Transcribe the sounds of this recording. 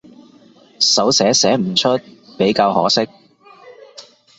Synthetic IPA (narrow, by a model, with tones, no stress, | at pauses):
sɐ˨˥wsɛː˨˥sɛː˨˥m̩˨˩t͡ʃʰɵ˥t̚pe˨˥jkaː˧whɔ̰ː˨˥sɪ˥k̚